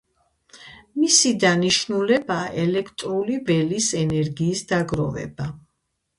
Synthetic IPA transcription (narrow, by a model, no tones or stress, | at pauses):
misid̪aniʃnulɛbaːʔɛlɛkʰt̪ʼɾulivɛlisɛnɛɾɡiːsd̪aɡɾɔvɛ̰ba